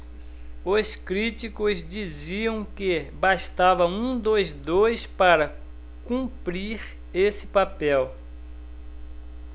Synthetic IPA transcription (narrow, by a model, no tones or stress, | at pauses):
oskɾit͡ʃikʊzd͡ʒiziɐ̃w̃kɪbaʃt̪avɐũd̪ojzd̪ojspaɾɐ | kũpɾiɾ | esɪ̥papɛw